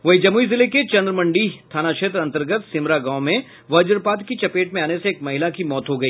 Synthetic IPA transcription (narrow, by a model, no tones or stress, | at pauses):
ʋɐɦid͡ʒɐmuizɪleket͡ʃɐ̃nd̪ɾəmɐ̃ɳɖit̪ʰaːnakʃeːt̪ɾɐ̃nt̪əɾɡət̪sɪmɾaɡãːʊmẽ | ʋɐd͡ʒəɾpaːt̪kit͡ʃɐpeːʈmẽaːneseːk̚mɐɦɪlakimɔːt̪ɦoɡɐiː